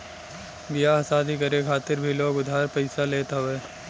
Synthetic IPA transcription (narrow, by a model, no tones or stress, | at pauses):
bijaɐsaːd̪ʱikɐɾekʰaːt̪ɪɾbʱiloːɡʊd̪ʱaːɾpɐɪsaleːt̪aɦoeː